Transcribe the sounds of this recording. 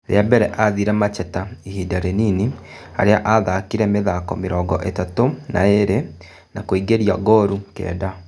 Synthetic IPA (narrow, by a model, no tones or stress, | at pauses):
ɾḛabɛɾɛʔaðiɾɛmat͡ʃɛtaihidaɾenini | a̰ɾeaʔaðakiɾɛmeðakɔ̰meɾɔːɡɔ̰ʔetatona̰eɾe | nakwiɡeɾiaɡɔɾukɛ̰ːda